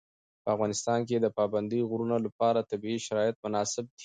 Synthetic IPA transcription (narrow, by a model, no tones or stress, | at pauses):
pəafɣɑnɪst̪ɑnk̬ed̪əpɑband̪əjɣɾunolapɑɾat̪abiiʃaɾɑjat̪̚mʊnɑsɪb̚d̪i̥